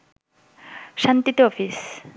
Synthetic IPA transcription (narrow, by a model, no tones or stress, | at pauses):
ʃant̪it̪oɔfʰis